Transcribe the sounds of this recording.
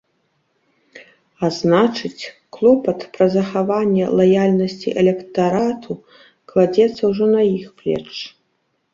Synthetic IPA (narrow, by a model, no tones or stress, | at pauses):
aznat͡ʂɨt͡sʲ | klˠɔpɐt̪pɾɐzɐxavanʲːɛ̰lˠajalʲnɐsʲt͡sʲḭʔɛlʲɛkt̪aɾat̪ʰu | klˠad͡zʲɛt̪sːɐwʐɔnɐjixplʲɛ̰t͡ʂ